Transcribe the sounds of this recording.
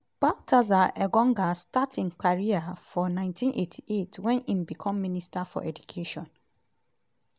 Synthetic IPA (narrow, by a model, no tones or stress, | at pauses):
b̥ak̚tʰazaɛɡɔ̃ŋɡastatʰɪ̃ŋkʰaɹiafɔnãɪ̃ntʰĩnʔetʰi̥ʔetʰwɛ̃nĩmbikʰɔ̃mːĩnistafɔ̰ʔɛdukʰeʃɔ̃n